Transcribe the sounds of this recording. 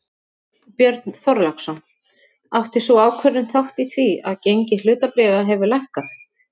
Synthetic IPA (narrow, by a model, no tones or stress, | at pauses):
pjœɾt̪nθɔɾlaksɔn | aht̪ɪsɔaːwkʰvœɾʏnθawht̪iθvia̰ðcejɲcɪlʏːt̪apɾɛːvaɦɛvʏlajhkaθ